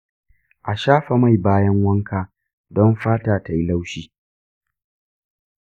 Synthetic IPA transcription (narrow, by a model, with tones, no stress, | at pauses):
ʔa˨ʃaː˦ɸa˨ma˦˨jbaː˦jɐ˦ŋwɐ˦ŋkʰaː˨ | dɔ˦mɸaː˦taː˨ta˨ji˦la˦wʃiː˦